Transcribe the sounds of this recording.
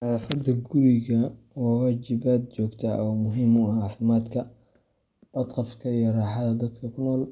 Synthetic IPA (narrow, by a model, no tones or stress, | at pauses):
ħɑlafɐd̪ɐɡʊɾɪɣɐ | wɑːwaːt͡ʃɪbaːd̪̚t͡ʃɔːɡt̪ʰɐʔɔːmʊɦɪmʊʕɑːfɪmaːd̪kʰɐ | b̥ɐd̪qɑfkʰɐijɔrɑːħɑðɐd̪ɐd̪kʰɐkʰʊnɔːl